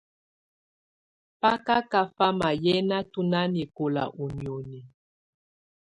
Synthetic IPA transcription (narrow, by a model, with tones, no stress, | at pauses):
pa˦ka˦ka˦fa˦ma˨jɛ˦na˦tu˦na˦ne˨ko˨la̰˨ʔu˨njo˨nɛ˨